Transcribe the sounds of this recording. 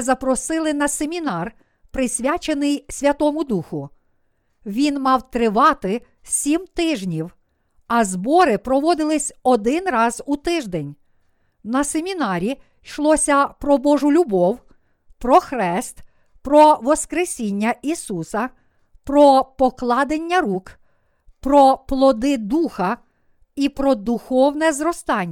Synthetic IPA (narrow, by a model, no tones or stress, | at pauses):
zɐpɾɔsɪlˠɪnɐsemʲinɑr | pɾɪsʲʋʲat͡ʃenɪjsʲʋʲɐt̪ɔmʊd̪uxʊ | ʋʲinmɑwt̪ɾɪʋɑt̪ɪ | sʲimt̪ɪʒnʲiw | ɐzbɔɾɪpɾɔʋɔd̪ɪlˠɪsʲɔd̪ɪnrɑzut̪ɪʒd̪enʲ | nɐsemʲinɑɾʲi | ʃlˠɔsʲɐpɾɔbɔʒʊlʲʊbɔw | pɾɔxɾɛst̪ | pɾɔʋɔskɾesʲinʲːɐisusɐ | pɾɔpɔklˠɑd̪enʲːɐɾuk | pɾɔplˠɔd̪ɪd̪uxɐ | ipɾɔd̪uxɔwnɛzɾɔst̪ɑnʲː